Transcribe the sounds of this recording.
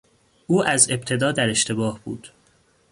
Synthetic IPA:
ʔuːʔæze̞bt̪ʰe̞d̪ɒːd̪æɾe̞ʃt̪ʰe̞bɒːhb̥ṵːd̪̥

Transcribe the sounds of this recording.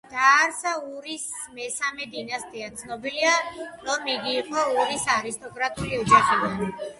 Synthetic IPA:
d̪̥aɾsauɾis | mɛsamɛd̪inast̪ʼiat̪sʰnɔbiliaɾɔmiɡiːqʼɔuɾisaɾist̪ʼɔkʼɾat̪ʼuliɔd͡ʒaχid̪an

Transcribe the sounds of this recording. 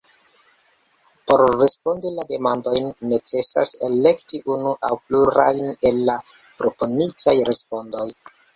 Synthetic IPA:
po̞ɾːe̞spo̞ndilade̞mando̞jnːe̞t͡se̞sa̰se̞le̞ktiʔunuʔawpluɾajne̞lːa | pɾo̞po̞nit͡sajɾe̞spo̞ndo̞j

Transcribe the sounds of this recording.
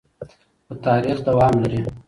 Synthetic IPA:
pət̪ɑːɾixd̪awɑːmlaɾi

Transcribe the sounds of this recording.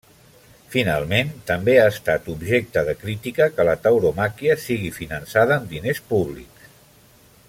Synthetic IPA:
fina̰lˠment̪əmbeaəst̪at̪ubʒek̚t̪əðəkɾit̪ikəkələt̪əwɾomakiəsiɣifinənsaðəːmd̪inespuβlḭk

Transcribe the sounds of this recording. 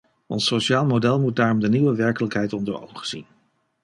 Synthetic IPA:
ɔ̰nsoʃaːlˠmodɛlˠmut̚daːɹɔmdəniʋəʋɛɹkələkɦɛjtɔndəɹo̰wχəz̥ḭn

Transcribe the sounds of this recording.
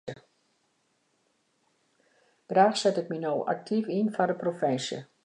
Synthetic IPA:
ə | b̥raːxsɛtɪk̚minowʔa̰k̚tʰifinfɔrdəprofɪnsjə̰

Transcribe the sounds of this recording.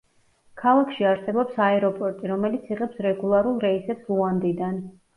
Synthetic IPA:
kʰalˠakʰʃiaɾsɛbɔpsaɛɾɔpʼɔɾt̪ʼiɾɔmɛlit̪sʰiʁɛpsɾɛɡulˠaɾulˠɾɛisɛpsuand̪id̪an

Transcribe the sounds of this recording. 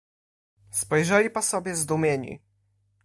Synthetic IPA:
spɔjʐɛlʲipasɔbʲjɛzd̪umʲjeɲḭ

